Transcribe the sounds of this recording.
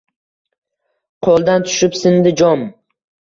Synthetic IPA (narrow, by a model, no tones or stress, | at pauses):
qʰolˠd̪ant̪ʰʊ̥ʃɪpsɪnd̪ɪd͡ʒɒm